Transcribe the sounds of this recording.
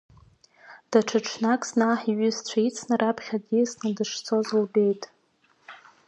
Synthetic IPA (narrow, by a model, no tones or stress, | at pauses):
d̥aʈ͡ʂʰaʈ͡ʂʰnakʼznaħiɥʏzt͡ɕʷʰait͡sʰnarapʰχʲadisnadɨʂt͡sʰo̞zlbe̞jtʼ